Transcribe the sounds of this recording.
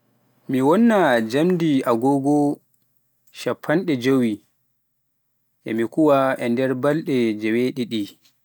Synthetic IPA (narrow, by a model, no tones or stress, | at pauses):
miwɔnːad͡ʒamdiaɡɔɡɔ | ʃapʰːanɗɛd͡ʒowi | ʔɛ̰mikuwaɛndɛɾbalɗɛd͡ʒɛweɗiɗi